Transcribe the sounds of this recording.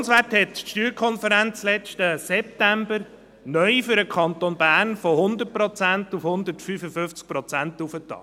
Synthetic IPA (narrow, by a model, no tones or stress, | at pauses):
nsʋæthɛtʃtyːɾkʰɔnfəɾænt͡slɛt͡ʃtəsɛp̚t̪æmbəɾ | nœʏfʏɾəkʰɑnt̪onbæːnfohʊnd̪ət̚pɾɔt͡sæntufhʊnd̪ətfyːfəfʏft͡sk̚pɾɔt͡sænt̪ufətɑ̰